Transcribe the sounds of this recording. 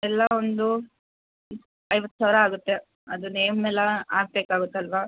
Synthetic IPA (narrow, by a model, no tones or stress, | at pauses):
ɛlːɐond̪u | ɐjʋɐt̪ːu̥sɐːʋɾɐaːɡut̪ːe | ɐd̪unːeːmmɛlːɐaːɡ̚beːkaːɡut̪ːeɐlʋa